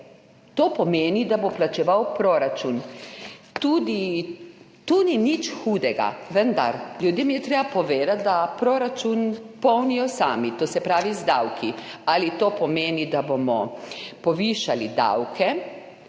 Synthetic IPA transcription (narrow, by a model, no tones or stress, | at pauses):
t̪opɔmeːnid̪aboplat͡ʃɛʋawpɾoɾat͡ʃun | t̪uːd̪i | t̪uninit͡ʃxuːd̪ɛɡa̰ʋənd̪a̰ɾlʲjud̪jemjɛt̪ɾeːbapɔʋeːd̪at̪̚d̪apɾoːɾat͡ʃunpɔwnijɔsaːmit̪oːsɛpɾaːʋizd̪awkʰialit̪opɔmeːnid̪abomɔpɔʋiːʃalid̪a̰wkʰɛ